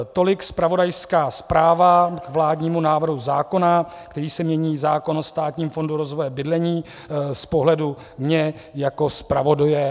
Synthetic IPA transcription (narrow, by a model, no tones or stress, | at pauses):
t̪o̞lɪkspɾavo̞dajskaːspɾaːvakvlaːdɲiːmunaːvr̩ɦuzaːko̞na | kt̪ɛɾiːsɛmɲɛɲiːzaːko̞nost̪aːt̪ɲiːmfo̞nduɾo̞zvojɛbɪdlɛɲiː | spo̞ɦlɛdu | mɲɛ | jako̞spɾavo̞dojɛ